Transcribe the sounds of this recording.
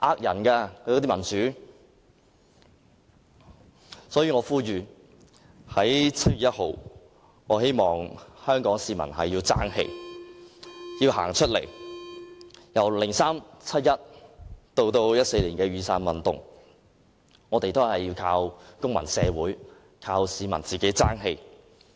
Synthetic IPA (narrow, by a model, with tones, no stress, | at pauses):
ʔaː˥k̚jɐ˨˩nkaː˧kʰːt̪i˥mɐ˨˩nt͡syː˨˥ | sɔː˨˥jiː˧ŋɔː˨˧fuː˥ɥyː˨ | hɐ˨˥jt͡sʰɐ˥t̚ɥyː˨˥jɐ˥t̚ho˨w | ŋɔː˨˧he˥jmɔː˨˩ŋhœː˥ŋkɔː˨˥ŋsiː˨˧mɐ̰˨˩nɦɐ̰˨jːiː˧wt͡sa̰ː˥ŋhḛ˧j | jiː˧wɦa̰ː˨˩ŋt͡ʃʰɵ˥t̚lḛ˨˩j | jɐ˨˩wlɪ˨˩ŋsaː˥mt͡sʰɐ˥t̚jɐ˥t̚t̪o˧wt̪o˧wjɐ˥t̚se˧jliː˨˩nkɛː˧ɥyː˨˧saː˧nwɐ˨nt̪ʊ̰˨˩ŋ | ŋɔː˨˧t̪e˨jt̪hɐ˨jiː˧wkʰaː˧wkʊ˥ŋmɐ˨˩nsɛː˨˧wuː˨˥j | kʰaː˧wsiː˨˧mɐ˨˩nt͡siː˨˩ke˨˥jt͡saː˥ŋɦe˧j